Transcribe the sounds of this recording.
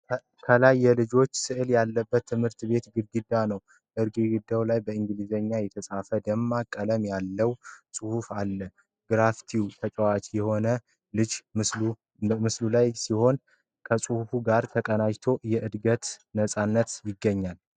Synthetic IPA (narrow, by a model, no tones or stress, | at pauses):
kʰəlajːɛlɨd͡ʒo̞t͡ʃːsɨʔɨljalːəbːət̪ʰːɨmhɨɾt̪βe̞t̪ɡɨɾɡɨd̪ːanəw | ʔɨɾɡiɡɨd̪ːawlajbəɨŋɡlizəɲːajɛt̪ʰəsʼafəd̪əmːakʼːələmjalːəwsʼɨhufalːə | ɡ̥ɾaft̪ʰiwt̪ʰət͡ʃʼəwat͡ʃʼjɛho̞nə | lɨd͡ʒmɨslu | mɨslulajsiho̞n | kʰəsʼɨhufuɡaɾt̪ʰəkʼənajt̪ʰo̞jɛʔɨd̪ɡət̪nəsʼanːət̪jɪɡːəɲːal